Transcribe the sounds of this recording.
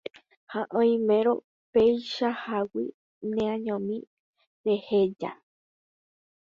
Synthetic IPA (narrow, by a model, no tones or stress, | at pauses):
haʔõĩmẽɾo̰ | pejʃahawḭ | nẽãɲõmĩ | ɾehed͡ʒa̰